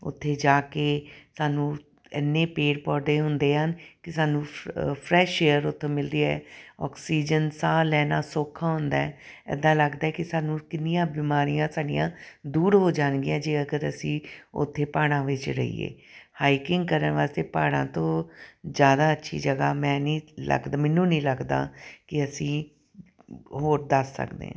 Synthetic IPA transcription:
ʊ̰t̪ʰːeːd͡ʒaːkeːsaːnũː | ɪ̰nːeːpeːɽpɔːɾd̪eːɦʊnd̪eːɦənkɪsaːnũːpʰɾɛːʃeːəɾʊt̪ʰːeːmɪld̪iːaɛːɔ̰ːksiːd͡ʒənsaːlɛːnaːsoːkʰãːɦʊ̃nd̪aːɛː | ɛ̰d̪ãːləɡd̪aːɛkɪsaːnũːkɪnɪjãːbiːmaːɾijãːsaːɖɪjã̰ːd̪uːɾɦoːd͡ʒaːnɡijãːd͡ʒeːəɡəɾəsĩːʊ̰t̪ʰːeːpaːɽ̃ãːʋɪt͡ʃɾə̰ḭːḛː | haːɪkɪŋɡ̚kəɾənʋaːst̪eːpaːɽ̃ã̰ːt̪õːzjaːd̪aːətːʃʰḭːd͡ʒəɡaːmɛ̃ːniːlə̰ɡd̪amɛnːũːnĩːləɡd̪a̰ːkɪəsĩː | ɦoːɾd̪əsːə̰kd̪ḛːã̰

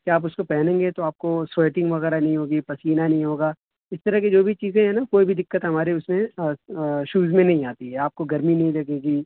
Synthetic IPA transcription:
keaːp̬ʊskopɛɦnẽːŋɡet̪oaːp̚kosɾoːʈɪ̃ŋɡʋɐɣɛːɾanɐɦĩɦoːɡipɐsiːnanɐɦĩɦoːɡaː | ɪst̪ɐɾɐɦked͡ʒoːbʱit͡ʃiːzẽɦɛ̃nakoːibʱid̪ɪkːət̪ɦɐmaːɾeʊsmẽ | ʃuːzmẽnɐɦĩaːt̪iɦɛaːp̚koɡɐɾminɐɦĩlɐɡeːɡiː

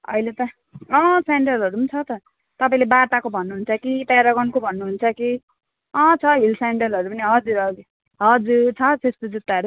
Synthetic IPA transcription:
ʌ̰jlet̪ʌ | ʌ̃saɳɖʌlɦʌɾupnt͡sʰʌt̪ʌ | t̪ʌpaĩlebat̪akobʱʌnːuɦunt͡sʰʌkit̪aɾʌɡʌnkobʱʌnːuɦunt͡sʰʌki | ʌ̃t͡sʰʌɦilsaɳɖʌlɦʌɾupʌniɦʌd͡zuɾʌi | ɦʌd͡zuɾt͡sʰʌsesp̪od͡zut̪ːaʌɾu

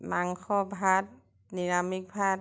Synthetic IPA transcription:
maŋxɔbʱat̚ | niɹamik̚bʱat̚

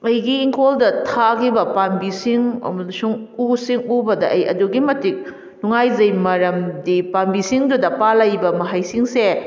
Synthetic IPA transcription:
ɐjɡiːŋkʰoldɐtʰakʰibɐpambisiŋɐ̰mɐlsuŋusiŋubɐdɐʔɐjɐ̰duɡimɐtik̚ | nuŋajzɐjmɐɾɐmdipambisiŋdudɐpalɐjbɐmɐɦajsiŋse

